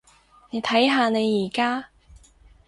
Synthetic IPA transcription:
ne˨˧jt̪ʰɐ˨˥jɦaː˧ne˨˧jːiː˨˩kaː˥

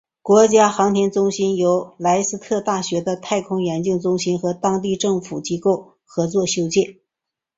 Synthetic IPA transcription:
kwɔ˧˥t͡ɕja˥xɑ˧˥ŋt̪ʰjɛ˧˥nt͡sʊ˥ŋɕi˥njo˧˥ʊla˧˥ɪsɹ̩˥t̪ʰɤ˥˧t̪a˥˩ɕɥɛ˧˥d̪ə˧t̪ʰa˥˩ɪkʰʊ˥ŋjɛ˧˥nt͡ɕi˥˩ŋt͡sʊ˥ŋɕi˥nxɤ˧˥t̪ɑ˥ŋt̪i˥˧ʈ͡ʂɤ˥˩ŋfu˨˩t͡ɕi˥ko˥˩ʊ | xɤ˧˥t͡swɔ˥˩ɕjo˥ʊt͡ɕjɛ˥˩n

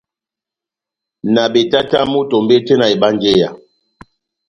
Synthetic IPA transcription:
na˨ɓe˨ta˦ta˦mu˦to˨m˦be˦te˦na˨i˨ɓa˦n˦d͡ʒe˦ja̰˨

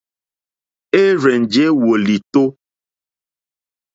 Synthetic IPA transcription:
e˦ɾe˨nd͡ʒe˦wo˨li˨t̪o˦

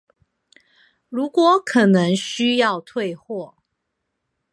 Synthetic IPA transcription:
ɻu˨˦˥kwɔ˨˦kʰə˨˩nə˨˦ŋɕy˦jɑ˥˨ʊt̪ʰwe˥˨ɪxwɔ˥˨

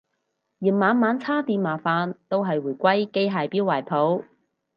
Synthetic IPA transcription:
ji˨˩nmaː˨˧nmaː˨˥nt͡sʰaː˥t̪iː˧mmaː˨˩faː˨˧nt̪o˥wɦɐ˨jwuː˨˩jkʷɐ˥jke˥jɦaː˨˧jpiː˥waː˨˩jpʰo˨˥w

